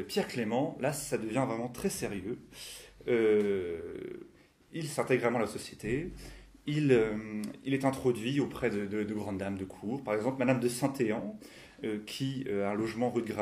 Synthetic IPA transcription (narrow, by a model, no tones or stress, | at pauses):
pjɛʁklemɑ̃lasad̪əvjɛ̃vʁɛmɑ̃t̪χɛseʁjø | ø | ilsɛ̃t̪ɛɡʁamɑ̃alasɔsjet̪e | iløilɛt̪ɛ̃t̪χɔd̪ɥiopχɛd̪əd̪əd̪əɡʁɑ̃d̪d̪amd̪əkʰuʁpaʁɛɡzɑ̃plmad̪amd̪əsɛ̃t̪eɑ̃ | økʲʰiøaɛ̃lɔʒmɑ̃ʁyd̪ɡʁa